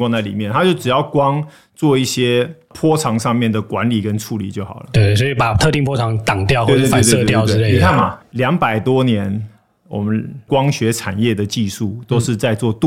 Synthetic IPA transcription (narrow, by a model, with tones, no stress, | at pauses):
wɑ˥˧ŋt͡sa˥˩ɪli˨˩mjɛ˥˩nt̪ʰa˥t͡ɕjo˥˩ʊʈ͡ʂɻ̩˨˩jɑ˥˩ʊkwɑ˥ŋ | t͡swɔ˥˧i˥˩ɕjɛ˥ | pʰwɔ˥ʈ͡ʂʰɑ˧˥ŋʂɑ˥˧ŋmjɛ˥˩nd̪ə˩kwa˧˦˥nli˨˩kə˦nʈ͡ʂʰu˧˥li˨˩t͡ɕjo˥˩ʊxɑ˨˩ʊlə˦t̪e˥˩sɔ˧˥i˨˩pa˨˩t̪ʰɤ˥˧t̪i˥˩ŋpʰwɔ˥ʈ͡ʂʰɑ˧˦ŋt̪ɑ˨˩ŋt̪jɑ˥˧ʊxt̪w̪e˥˧t̪e˥˧˥t̪jɑ˥˨ʊ˥˧le˥˨i˨kʰa˥˩nma˨˩ljɑ˧˥ŋpa˨˩ɪt̪wɔ˥njɛ˧˦n | wɔ̰˨˩mə˦nkwɑ˥ŋɕɥɛ˧˥ʈ͡ʂʰa̰˨˩njɛ˥˩d̪ə˩t͡ɕi˥˧ʂu˥˩t̪o˥ʊʂɻ̩˥˧t͡sa˥˧ɪt͡swɔ˥˧t̪u˥